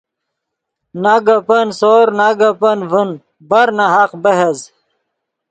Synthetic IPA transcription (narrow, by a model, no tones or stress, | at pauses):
naɡɐpənsoːɾnaɡɐpənvən | bɐɾnaɦaqbɐɦez